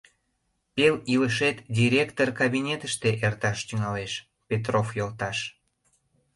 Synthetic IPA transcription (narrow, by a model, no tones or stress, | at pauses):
peliləʃet̪d̪ʲiɾʲekt̪orkaβinʲet̪əʃt̪eʔert̪ɑʃt̪yŋɑleʃ | pet̪̬rofjolt̪ɑʃ